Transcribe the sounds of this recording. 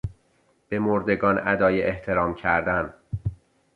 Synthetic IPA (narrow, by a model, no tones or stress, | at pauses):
b̥e̞moɾd̪e̞ɡɒːnæd̪ɒːjeʔeht̪ʰe̞ɾɒːmcʰæɾd̪æn